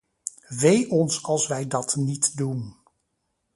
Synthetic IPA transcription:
ʋejʔɔnsɑlˠsʋɛjdɑtnitdun

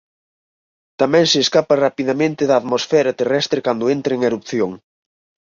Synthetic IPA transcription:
t̪amɛ̃ŋsɪːskapɐrapiðɐmẽnt̪ɪðɐːðmosfɛɾɐt̪erɛst̪ɾekand̪ʊent̪ɾeŋeɾupθjoŋ

